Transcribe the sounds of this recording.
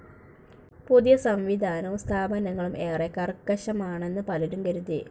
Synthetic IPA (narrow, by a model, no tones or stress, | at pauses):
puðijɐsɐmʋid̪ʱaːnɐumst̪ʰaːbɐnɐŋːɐɭumʔeːrekːɐrkːɐɕɐmaːɳe̞nːɨpɐliɾumkɐɾuði